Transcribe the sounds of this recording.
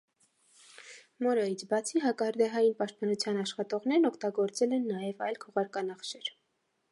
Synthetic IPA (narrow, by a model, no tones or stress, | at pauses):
mɔɾɔjit͡sʰbɑt͡sʰiɦɑkɑhəɾd̪ɛɦɑjinpɑʃt̪̚pɑnut͡sʰjɑnɑʃχɑt̪ɔʁnɛɾnɔkʰt̪ɑɡɔɾt͡sɛlɛnːɑjɛvɑjlkʰɔʁɑɾkɑnɑχʃɛɾ